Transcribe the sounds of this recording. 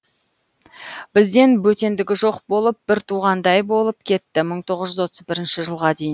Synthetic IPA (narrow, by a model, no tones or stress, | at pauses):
b̥ɪzd̪e̞nbɵt̪e̞nd̪ɪɡʲɪʒo̞qbo̞lˠəp̚bɪɾt̪ʰuʁɑnd̪ɑjbo̞lˠəp̚kʲʰe̞t̪ːɪməɴt̪ʰo̞ʁəzʒʏzwo̞t̪əzbɪɾɪnʃɪʒəlˠʁɑd̪e̞jɪn